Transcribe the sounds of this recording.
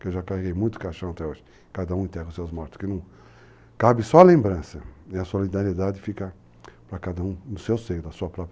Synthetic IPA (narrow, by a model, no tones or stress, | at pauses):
kewʒakaheɡejmũj̃t̪ʊ̥kaʃɐ̃w̃at̪ɛoʒɪ̥ | kad̪ɐũẽt̪ɛɡɐʊsewzmɔɾt̪ʊ̥skɪnɐ̃w̃ | kabɪsɔɐlẽmbɾɐ̃sɐẽɐsolid̪aɾied̪adɪfikaɾ | pɾɐkad̪ɐũnʊsewsejʊd̪ɐsuɐpɾɔp